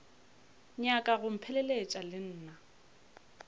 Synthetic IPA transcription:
ɲakʼaɣʊm̩pʰɛlɛlet͡ʃʼalɪn̩ːna

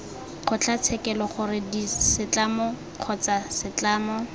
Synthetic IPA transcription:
χʰʊt͡ɬʰat͡sʰɛkɛlɔχʊrɪdisɪt͡ɬamɔ | q͡χʰɔt͡sasɪt͡ɬaːmɔ

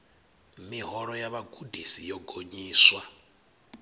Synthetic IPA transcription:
miɦɔɺɔjaβaɡudʱisijɔɡʱoɲiːswa

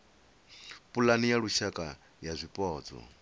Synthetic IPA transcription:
pʼulanijaɺuʃakʼa | jazʷipʼɔːd͡zɔ̰

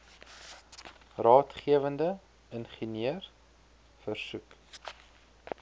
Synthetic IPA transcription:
rɑːtχiəvəndə | ənχəniər | fərsuk

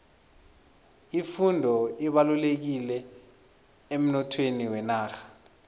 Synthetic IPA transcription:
ifundʱɔiɓalulek̬ilɛ | em̩nɔtʰweniwɛnaːxḁ

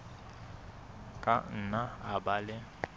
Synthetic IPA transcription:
kʼan̩naabalɪ

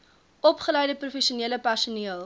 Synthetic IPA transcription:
ɔpχəlɛjdəprufɛʃuniələpærsuniəlˠ

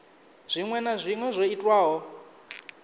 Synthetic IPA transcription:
z̥ʷiŋwɛnazʷiŋwɛzʷoitʼwaːɦɔ

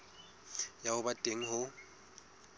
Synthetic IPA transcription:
jahʊbatʼeŋ̩ɦʊ

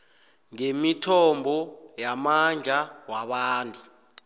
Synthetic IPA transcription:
ŋemitʰɔmbʱɔjamand͡ɮʱawaɓaːntʼu

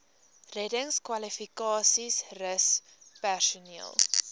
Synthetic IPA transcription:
rɛdəŋskwɐlifikɑːsisrəs | pærsuniəlˠ

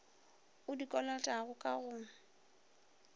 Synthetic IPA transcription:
ʊdikʼɔlɔtʼaɣʊkʼaɣʊŋ̩

